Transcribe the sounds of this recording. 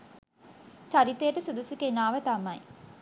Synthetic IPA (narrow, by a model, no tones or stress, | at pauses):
t͡ʃɐɾit̪ːɐjəʈɐsud̪usukenaːʋət̪ɐmɐj